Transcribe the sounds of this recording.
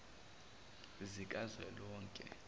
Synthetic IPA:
zikʼazwɛlɔːŋkʼɛ̰

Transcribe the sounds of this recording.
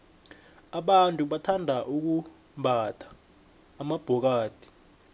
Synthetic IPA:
aɓantʼuɓatʰandʱaʔuk̬u | ɓatʰḁː | mab̥ʱɔk̬aːd̥ʱi̥

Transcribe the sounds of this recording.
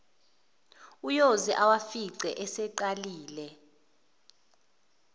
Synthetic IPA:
ujoziʔawafiǀɛʔɛsɛǃaliːlɛ

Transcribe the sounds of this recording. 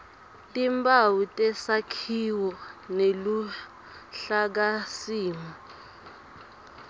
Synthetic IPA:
tʼimbawutʼɛsakʰiwɔnelu | ɬak̬asiːma

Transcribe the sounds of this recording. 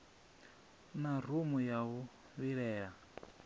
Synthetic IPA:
nar̤umujawu | βiɺɛːɺa

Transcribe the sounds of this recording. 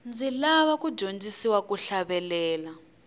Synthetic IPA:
nd͡zilaβakud͡ʒond͡ʒisiwakuɬaβɛlɛːla

